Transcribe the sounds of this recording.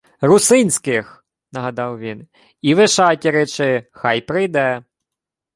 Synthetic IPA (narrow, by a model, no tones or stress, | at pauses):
rʊsɪnʲsʲkɪx | nɐɦɐd̪ɑwʋʲin | iʋɪʃɑtʲiɾɪt͡ʃɪxɑjpɾɪjd̪ɛ